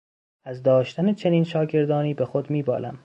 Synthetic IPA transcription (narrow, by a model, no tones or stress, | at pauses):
æzd̪ɒːʃt̪ænet͡ʃʰeniːnʃɒːɟe̞ɾd̪ɒːniːbexod̪miːbɒ̰ːlæ̰m